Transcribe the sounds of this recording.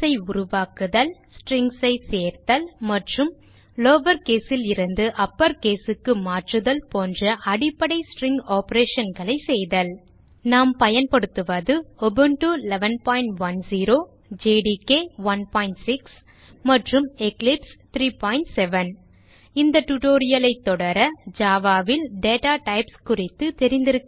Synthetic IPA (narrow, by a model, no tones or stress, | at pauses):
ɐɪʊɾʊʋaːkɯðɐlsʈɾɪŋɡsɐɪseːɾt̪ɐlmɐʈrɯm | loːʋɐɾkeːsɪlɪɾɯnd̪ɯʔɐpːɐɾkeːsɯkːɯmaːʈrɯðɐlpoːndrɐʔɐɽɪpːɐɽɐɪsʈrɪŋɡaːpɐɾeːʂɐnɡɐɭɐɪsɛjðɐl | naːmpɐjɐnpɐɽɯt̪ːɯʋɐðɯɔbɯnʈuɪlɛʋɐnpaːɪɳʈʋɐnsiːɾoː | d͡ʒeːɖikeːʋɐnpaːɪɳʈsɪks | mɐʈrɯmɛklɪpst̪ɾiːpaːɪɳʈsɛʋɐn | ɪnd̪ɐʈuʈoːɾɪjɐlɐɪt̪ːɔɽɐɾɐd͡ʒaːʋaːʋɪlɖeːʈaːʈɐɪpskʊrɪt̪ːɯt̪ɛɾɪnd̪ɪɾɯkː